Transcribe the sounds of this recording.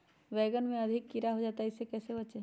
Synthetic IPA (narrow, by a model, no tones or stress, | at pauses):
ʋɛːɡənmẽɐd̪ʱɪkːɪɾaɦod͡ʒaːt̪aɪsekɛːsebɐt͡ʃe